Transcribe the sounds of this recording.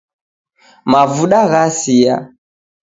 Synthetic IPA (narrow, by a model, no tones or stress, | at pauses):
mavuɗaɣasija̰